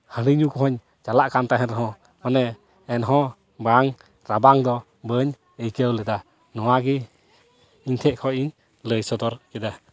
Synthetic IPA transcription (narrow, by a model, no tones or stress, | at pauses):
həɽiɲukɔɦɔɲ | t͡ʃalaʔkant̪aɦɛnɾɦɔ̃ | ɔnɛ | ɛnɦɔ̃ | baŋ | ɾabaŋd̪ɔ | bəɲ | əjkəwlɛd̪a | nɔwaɡi | iɲt̪ʰɛʔkʰɔʔiɲ | ləjsɔd̪ɔɾkɛd̪a